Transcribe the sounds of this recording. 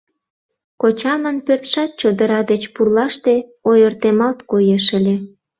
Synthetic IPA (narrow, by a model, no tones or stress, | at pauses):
kot͡ɕɑmənpørt̪ʃɑt̪̚t͡ɕod̪əɾɑd̪et͡ɕpurlɑʃt̪eojərt̪emɑlt̪kojeʃəlʲe